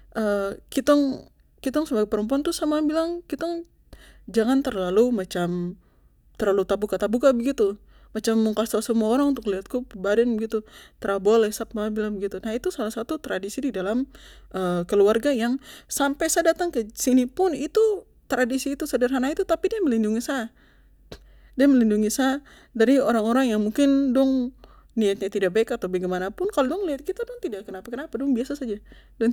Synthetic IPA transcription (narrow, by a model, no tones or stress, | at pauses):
ʔəkit̪ɔŋ | kit̪aŋsəbaɡapəɾəmpuant̪usamabilaŋkit̪ɔŋ | d͡ʒaŋant̪ərlalumat͡ʃam | t̪ərlalut̪abukat̪abukabəɡit̪u | mat͡ʃamːuŋkasasəmuaoɾaŋunt̪ʊkliat̪̚kupəbadɛnbəɡit̪ut̪ɾabolɛsat̪̚maabilaŋbəɡit̪unait̪usalahsat̪ut̪ɾadisididalamʔəkəluarɡajaŋsampajsadat̪aŋkəsinipʊnit̪u | t̪ɾadisiːt̪usadərɦanait̪ut̪apidiaməlinduŋisa | diaməlinduŋisa | daɾioɾaŋoɾaŋjaŋmuŋkɪndɔŋ | niat̪̚ɲat̪idak̚baɪkat̪awbaɡemanapʊnkalodɔŋliat̪̚kit̪adʊŋt̪idakənapakənapadɔŋbiasasad͡ʒa | dɔŋ